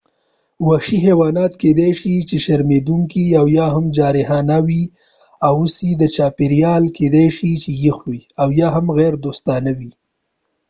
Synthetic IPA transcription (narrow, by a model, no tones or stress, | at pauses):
waʃiɦewɑnɑt̪ked̪ajʃit͡ʃeʃaɾmed̪uŋkiawjɑɦamd͡ʒɑɾɪɦɑnawi | awusid̪ət͡ʃɑpeɾjɑlked̪ajʃit͡ʃejixwiawjɑɦamɣɛɾd̪ost̪ɑnawi